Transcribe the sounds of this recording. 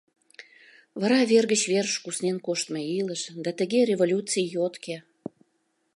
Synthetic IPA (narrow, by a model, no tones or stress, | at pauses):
βɑɾɑβerɣət͡ɕβeɾʃkusnenkoʃt̪meiləʃd̪ɑt̪ə̆ɣeɾʲevolʲut͡sijjot̪kʰe